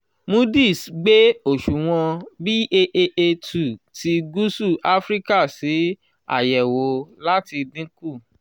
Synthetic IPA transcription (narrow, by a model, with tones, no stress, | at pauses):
mũ˦di˦˨sɡ͡be˦o˦˨ʃu˨w̃ɔ̃˧bi˦e˧ʔe˧ʔe˧tu˨ti˨˦ɡu˦su˦˨ʔa˦fɾi˦ka˦˨si˨˦ | a̰˦˨jɛ˨wo˨˦la˦ti˧dĩ˦ku˦˨